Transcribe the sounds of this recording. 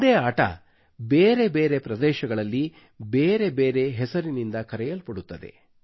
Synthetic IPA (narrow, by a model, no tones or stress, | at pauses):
d̪eːaːʈɐ̰ | beːɾe̞be̞ːɾe̞pɾɐd̪ɛːʃɐɡɐɭɐlːi | beːɾe̞beːɾe̞ɦɛsɐɾinind̪ɐkɐɾɛjɐlpɐɽut̪ːɐd̪ḛ